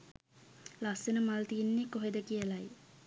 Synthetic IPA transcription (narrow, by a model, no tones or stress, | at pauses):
lasenəmalt̪iːnːekoɦed̪əkijəlaj